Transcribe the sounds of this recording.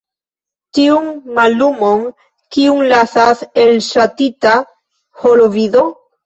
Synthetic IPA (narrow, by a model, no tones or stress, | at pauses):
t̪iuŋmalumoŋ | kiuŋlaθaselsat̪it̪a | holoviðo